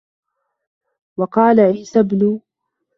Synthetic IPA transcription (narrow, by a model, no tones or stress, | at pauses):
wɑqɑːlaʕiːsabnʊ